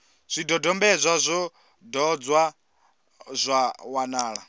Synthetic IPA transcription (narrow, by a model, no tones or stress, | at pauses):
z̥ʷidɔdɔmbɛzʷazʷɔ | dɔd͡zwa | zʷawanaːɺa